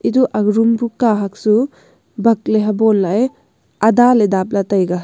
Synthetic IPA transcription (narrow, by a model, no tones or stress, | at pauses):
iduʔaɡɾumbukaɦak̚su | bɐk̚leɦabɔnlaj | ɐdaledap̚latajɡa